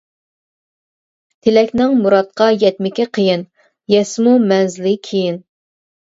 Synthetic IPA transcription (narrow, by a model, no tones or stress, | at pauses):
t̪ʰelɛkʲnɪŋmuɾɑt̪̚qɑjɛt̪̚mɪkʲiqʰəjɪn | jɛsmumɛnzɪlɪkʲʰejin